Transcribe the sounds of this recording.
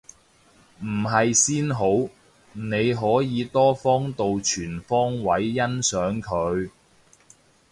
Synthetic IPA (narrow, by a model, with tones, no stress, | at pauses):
m̩˨˩ɦɐ˨jsiː˥nɦo˨˥w | ne˨˧jɦɔː˨˥jiː˨˧t̪ɔː˥fɔː˥ŋt̪o˨wt͡ʃʰyː˨˩nfɔː˥ŋwɐ˨˥jːɐ˥nsœː˨˥ŋkʰɵ˨˧ɥ